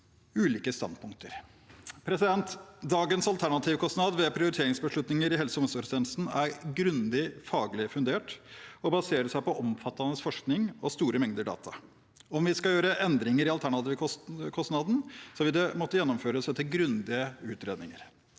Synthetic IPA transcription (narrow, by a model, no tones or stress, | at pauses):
ʉːliːkəst̪ɑ̰nd̪pʰʊŋk̚t̪əɾ | pʰɾɛsɪd̪ɛnt̪d̪ɑːɡənsɑlt̪ʰæɳɑt̪ʰɪːʋkʰɔst̪nɑd̪ʋɛpʰɾɪʊɾɪt̪ʰeːɾɪŋsbəʂɭʉt̪nɪŋəɾɪɦɛlsəʊm̩lsəpɾst̪eːn̩sn̩æɾɡɾʉnd̪ɪfɑːɡlɪfʉnd̪eːʈɔbɑseːɾəʂæɪpɔʔɔmfɑt̪ːɑnəsfɔʂknɪŋɔst̪uːɾəmɛŋd̪əɖɑ̰ːt̪ʰɑ̰ | ɔmʋɪskɑjøːɾəʔɛnd̪ɾɪŋəɾɪɑlt̪ʰæɳɑt̪ɪːʋəɔkʰɔsnɑd̪n̩sɔʋɪd̪ɛmɔt̪ːəjɛnːɔmføːɾəsɛt̪ʰɪlɡɾʉnd̪ɪəʉːt̪ɾeːd̪nɪŋə̰ɾ